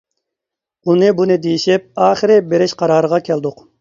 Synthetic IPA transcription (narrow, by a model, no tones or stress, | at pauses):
unɨbunɨd̪ejiʃɛp̚ɑːχəɾɪbeɾɪʃqʰɑɾɑːɾəʁɑkʲʰɛld̪ʊq